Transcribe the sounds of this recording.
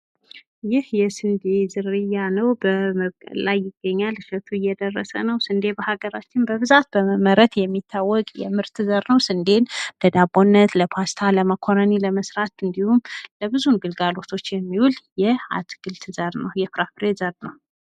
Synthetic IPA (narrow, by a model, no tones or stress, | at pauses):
jɪhjɛsɨnd̪ezɨɾɨjanəwbəməβkʼə̰lajːɪɡːəɲːalɨʃət̪ʰuɪjːɛd̪ərːə̰sə̰nəwsɨnd̪ebəhaɡəɾat͡ʃːɪnbəβɨzat̪̚bəməməɾət̪jɛmːit̪ʰːawːɔkʼjɛ̰mɨɾt̪ʰɨzəɾnəwsɨnd̪e̞nləd̪abonːət̪ləpʰast̪ʰaləməkʰoɾəniləməsɾat̪ɨnd̪ihumləbɨzunɡɨlɡalo̞t̪ʰo̞t͡ʃːjɛmːiwuljɛa̰t̪ɡ̥ɨlt̪ʰɨzəɾnəwjɛfɾapɾezəɾnəw